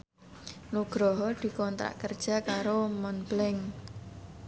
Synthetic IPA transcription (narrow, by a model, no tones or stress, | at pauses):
nuɡ̥ɾɔɦɔd̪̥i̤kɔnt̪ɾa̰ʔkərd̥ʒ̥a̤kaɾomɔnblɛŋ